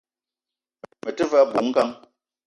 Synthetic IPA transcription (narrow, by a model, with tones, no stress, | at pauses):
mə˨tə˦va˦bu˨ŋ̩˦ka˦ŋ